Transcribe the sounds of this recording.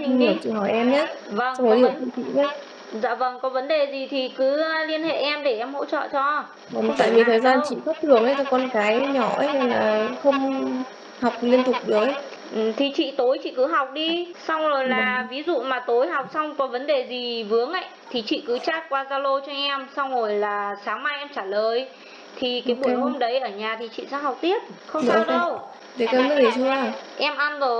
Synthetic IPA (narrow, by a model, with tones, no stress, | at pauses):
t͡ɕi˨ŋɗi˧˩ət͡ɕḭ˧˨ɦɔ˧˩jʔɛ˧mɲa˦˥və˧˩ŋ˧˨˦lɨː˨t̪i˧˩t̪ʰḭ˧˨ɲa˦˥ | z̰ːvə˧˩ŋkɔ˨˦və˨˦nɗe˨˩zi˨˩t̪ʰi˨˩kɨ˨˦li˧ənhḛ˧˨ʔɛ˧mɗe˧˩ʔɛ˧mɦo̰˧˥˨t͡ɕɔ̰ː˧˨t͡ɕɔ˧ | və˧˩mt̪a̰ː˧˨jvi˨˩˨t̪ʰəː˨˩jzaː˧nt͡ɕḭ˧˨fə˦˥p̚t̪ʰɨ˨˩əŋʔə˧˦jt̪kɔ˧nkaː˨˦jɲɔ˧˩˨ɦa˧jlaː˨˩xə˧wŋ͡m | ha˨˩wk͡p̚li˧ənt̪ʊ˨˩k͡p̚ɗəː˨˦j | ʔɨ˨˩t̪ʰi˨˩t͡ɕḭ˧˨t̪o˨˦jt͡ɕḭ˧˨kɨ˨˦ɦa˨˩wk͡p̚ɗi˧sa˧wŋ͡mzo˨˩jlaː˨˩vi˨˦zṵ˧˨maː˨˩t̪o˨˦jɦa˨˩wk͡p̚sa˧wŋ͡mkɔ˨˦və˨˦nɗe˨˩zi˨˩vɨ˨˦əŋʔə̰˧˨jt̪ʰi˨˩t͡ɕḭ˧˨kɨ˨˦t͡ɕaː˦˥t̚kwaː˧zaː˧lo˧t͡ɕɔ˧ʔɛ˧msa˧wŋ͡mzo˨˩jlaː˨˩saː˨˦ŋma˧jʔɛ˧mt͡ɕaː˧˩ləː˨˩j | t̪ʰi˨˩kaː˨˦jɓu˧˩jho˧mɗə˨˦jʔəː˧˩ɲaː˨˩t̪ʰi˨˩t͡ɕḭ˧˨sɛ̰˧˥ɦa˨˩wk͡p̚t̪i˦˥ət̚xə˧ŋ͡mza˧˩˧ɗə˧w | ɗe˨˦kaː˧˩mnə˦˥ɗe˨˩su˧a˨˩ʔɛ˧mʔa˧nzo˨˩